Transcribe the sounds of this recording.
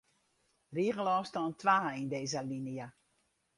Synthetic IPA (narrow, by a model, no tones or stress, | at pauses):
riəɣəlɔːfstɔːntʰʋaːindeːzəlinijə